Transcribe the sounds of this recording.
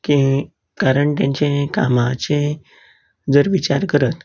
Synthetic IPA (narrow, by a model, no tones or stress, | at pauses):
ki | kaɾəɳt̪jãɲt͡ɕẽkamat͡ɕẽ | d͡zəɾʋit͡ɕaɾkəɾət̪